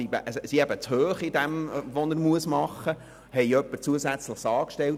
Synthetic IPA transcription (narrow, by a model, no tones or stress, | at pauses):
ibə̰ʔsiæbət͡shøːχɪdɛmʋɔnəɾmuəsmɑχːə | hɛɪœpːəɾt͡suəsæt͡sləχsɑːkʃtɛl